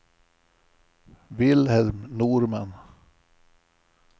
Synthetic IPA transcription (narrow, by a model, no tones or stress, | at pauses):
vɪlhɛlmnuːɾman